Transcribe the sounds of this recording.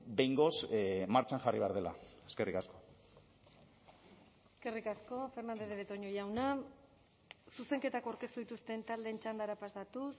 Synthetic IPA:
be̞jŋɡo̞smaɾt͡ʃanʝariβeaɾðela̰eske̞rikasko̞ | eske̞rikasko̞fe̞ɾnand̪eðeβet̪o̞ɲo̞jawna | suse̞ŋket̪akawɾke̞st̪uðit̪ust̪e̞nt̪ald̪e̞nt͡ʃand̪aɾapast̪at̪us

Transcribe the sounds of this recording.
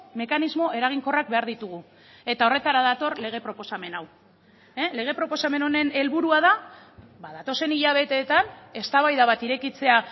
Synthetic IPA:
me̞kanizmo̞ʔe̞ɾaɣ̞iŋko̞rak̚be̞aɾðit̪uɣu | e̞t̪ao̞re̞t̪aɾaðat̪o̞rle̞ɣ̞e̞pɾo̞po̞same̞naw | ele̞ɣ̞e̞pɾo̞po̞same̞no̞ne̞ne̞lβuɾuað̞a | baðat̪o̞se̞niʎaβ̞e̞t̪e̞ːt̪ane̞st̪aβajðaβat̪iɾe̞kit͡se̞a

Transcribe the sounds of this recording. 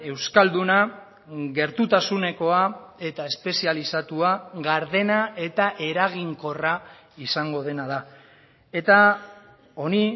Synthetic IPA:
e̞wskald̪una | ɣe̞ɾt̪ut̪asune̞ko̞ae̞t̪ae̞spe̞sialisat̪uaɣaɾðe̞nae̞t̪aʔe̞ɾaɣiŋko̞ra | isaŋɡo̞ð̞e̞naða | e̞t̪a | o̞ni

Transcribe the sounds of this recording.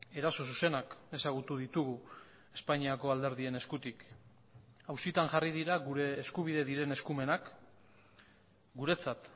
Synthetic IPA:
e̞ɾaso̞suse̞nake̞saɣ̞ut̪uðit̪uɣu | e̞spaɲiako̞ald̪e̞ɾð̞ie̞ne̞skut̪ik | awsit̪anʝarið̞iɾaɣuɾe̞ːskuβ̞iðeðiɾe̞ne̞skume̞nak | ɡuɾe̞t͡sat̪

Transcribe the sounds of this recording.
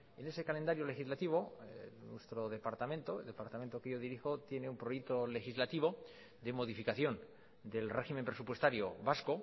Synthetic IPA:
e̞ne̞sekale̞nd̪aɾjole̞xizlat̪iβ̞o̞nwe̞st̪ɾo̞ðe̞paɾt̪amẽ̞nt̪oeld̪e̞paɾt̪amẽ̞nt̪okeʝo̞ðiɾixo̞t̪je̞neumpɾojek̚t̪ole̞xizlat̪iβ̞o̞ | d̪e̞mo̞ð̞ifikaθjo̞n | d̪e̞lreximempɾe̞supwest̪aɾjoβasko

